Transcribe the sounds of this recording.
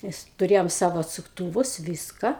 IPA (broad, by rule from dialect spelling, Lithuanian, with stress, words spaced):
ˈmʲɛs tʊˈrʲeːjoːm ˈsɑːʋoː ɐtsʊkˈtuːʋʊs ˈʋʲiːskɐ